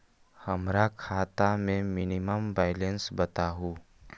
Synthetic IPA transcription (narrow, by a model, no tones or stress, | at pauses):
hɐmɾakʰaːt̪amẽmɪnɪməmbaːɪlẽnsbət̪aɦuː